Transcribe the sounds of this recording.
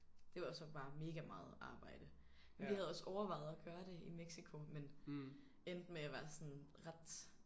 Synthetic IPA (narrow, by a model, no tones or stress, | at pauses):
d̥e̝ʋɑsɒ̽b̥ɑ̈ːme̝ːɡ̥æmɑ̈ːð̞̩ˠɑ̈ːb̥ɑ̈ɪ̰d̥ə | menʋih̩ˠæð̞̩ˠɒ̽sɒʊɐʋɑ̈ɪ̰ð̞̩ˠɒɡ̥ɶːɐɾ̥e̝imeɡ̥sikʰo̝men | end̥meæʋæɐsɔ̽nʁad̥